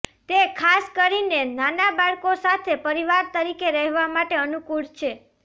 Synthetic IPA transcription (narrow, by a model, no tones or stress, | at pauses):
t̪ekʰaskəɾinenanabaɭkosat̪ʰepəɾiʋaɾt̪əɾikeɾɛɦʋamaʈeənukuɭt͡ʃʰe